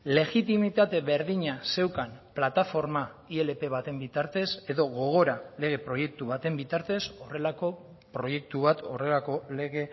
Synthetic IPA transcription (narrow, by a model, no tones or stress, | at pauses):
le̞ɣit̪imit̪at̪e̞βe̞ɾðiɲase̞wkanplat̪afo̞ɾmaie̞le̞pe̞βat̪e̞mbit̪aɾt̪e̞se̞ðo̞ɣo̞ɣ̞o̞ɾale̞ɣ̞e̞pɾo̞je̞k̚t̪uβ̞at̪e̞mbit̪aɾt̪e̞so̞re̞lako̞ | pɾo̞je̞k̚t̪uβ̞at̪o̞re̞lako̞le̞ɣe̞